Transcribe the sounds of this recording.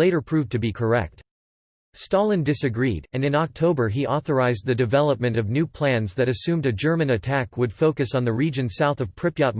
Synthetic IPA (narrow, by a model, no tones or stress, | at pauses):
eɪɾə˞pʰɹ̥ʉvtʰɨbikʰə˞ɛ̰k̚t | stɑlˠə̃ndɪsɨɡɹiɾɨ̃nɨ̃nɑk̚tʰoʊbə˞iʔɔθə˞aɪzd̪̚ðɨdɨvɛlˠəp̚mɨ̃ntʌvnʉpʰl̥æ̃nzðɨɾɨsʉ̃mdɨd͡ʒɜ˞mɨ̃nɨtʰækwəd̥foʊkɨsn̩ðɨɹid͡ʒɨ̃nsaʊθʌv̥pʰɹ̥ɪpjɑt̚